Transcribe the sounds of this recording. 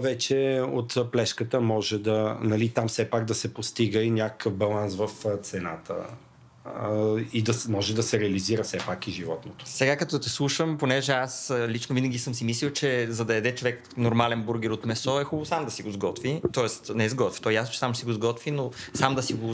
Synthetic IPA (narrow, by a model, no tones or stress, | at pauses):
vɛt͡ʃɛot̪plɛʃkət̪əmɔʒɛd̪ɐnɐlit̪amfsɛpaɡd̪ɐsɛpost̪iɡəinʲakə̥kəfbɐlˠansvɐft̪sɛna̰t̪ʰə̰ | id̪ɐmɔʒɛd̪ɐsɛɾɛɐliziɾəfsɛpakiʒivɔt̪not̪o̥sɛɡakɐt̪ɔt̪islˠuʃəmponɛʒɛaslit͡ʃnovinəɡʲisɤmsimislilˠt͡ʃɛzɐd̪ɐɛd̪ɛt͡ʃovɛk | noɾmalɛnbuɾɡɛɾot̪mɛsɔɛxubvosamd̪ɐsiɡozɡɔt̪vit̪ɔɛst̪nɛzɡɔt̪vi̥t̪ɔɛjasnot͡ʃɛ̥samsiɡʊzɡɔt̪vinosamd̪ɐsiɡʊ